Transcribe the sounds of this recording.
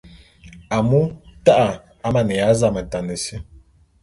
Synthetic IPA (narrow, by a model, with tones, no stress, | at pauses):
a˨mu˦ta˦ʔa˨ | a˦ma˨nə˨ja˨˦za˦˨mə˨ta˨nə˨si˦